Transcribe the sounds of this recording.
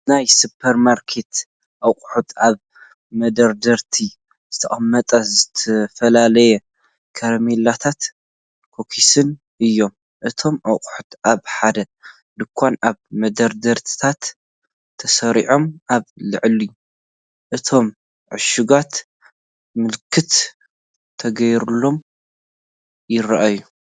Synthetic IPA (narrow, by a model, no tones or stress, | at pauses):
najsupʰɐɾmaɾkʰe̞t̪ | ʔɐwqʼħut̪aβ | mɐd̪ɐɾd̪ɐɾt̪ʰi | z̥ɨt̪ʰɐʔʼɐmːɐt̪ʼɐzɨt̪ʰɐfɐlalɐjɛ | kʰɐɾɐmelat̪ʰat̪ | kʰokʰisɨn | ʔɨjːo̞m | ʔɨt̪ʰo̞mʔawqʼħut̪ʔaβħad̪ɐ | d̪ɨkʷʰːanaβmɐd̪ɐɾd̪ɐɾt̪ʰɨ̥t̪ʰat̪ʰː | ɐsɐɾiʕo̞mʔaβlɨʕliu | ʔɨt̪ʰo̞m | ʕʊ̰ʃuɡat̪ | mɨlkʰɨt̪ | t̪ʰɐɡɐjɾulːo̞m | jɪɾɐʔaju